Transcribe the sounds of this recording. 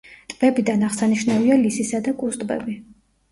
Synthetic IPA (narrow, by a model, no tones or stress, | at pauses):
t̪ʼb̥ɛbid̪anaʁsaniʃnavialisisad̪akʼusʼt̪ʼbɛ̰bi